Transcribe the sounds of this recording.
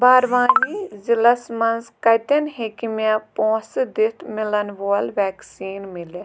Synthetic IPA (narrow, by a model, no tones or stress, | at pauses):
baːɾʋaːnizilɐsmɐnzkɐjt̪ɐnɦekimepõːsd̪it̪ʰmɪlɐnʋoːlʋɛːksiːnmɪle